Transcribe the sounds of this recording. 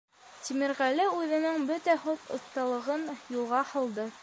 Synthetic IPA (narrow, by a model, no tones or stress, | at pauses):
t̪ʲimɘ̆ɾʁælɘʉðɘ̆nɘŋbɵt̪æhot̪ŏ̰θt̪ːɑlˠɤ̆ʁɤnjulˠʁɑhɤ̆lˠd̪ɤ